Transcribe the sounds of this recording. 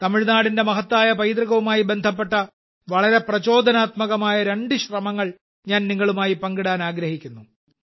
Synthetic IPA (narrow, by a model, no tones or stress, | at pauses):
t̪ɐmiɻnaːɽinde̞mɐɦɐt̪ːaːjɐpɐjd̪ɾɐɣɐʋumaːjibe̞nd̪ʱɐp̬ːeʈːɐ | ʋɐɭɐɾe̞prɐt͡ɕo̞ːd̪ʱɐnaːt̪mɐɣɐmaːjɐɾe̞ɳɖɨɕrɐmɐŋːɐɭ | ɲaːnniŋːɐɭumaːjipɐŋɡiɽaːnaːɡɾɐhikʲːunːu